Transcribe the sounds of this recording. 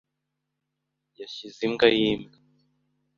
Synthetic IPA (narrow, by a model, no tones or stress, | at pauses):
jaʃiziŋɡajiːmɡa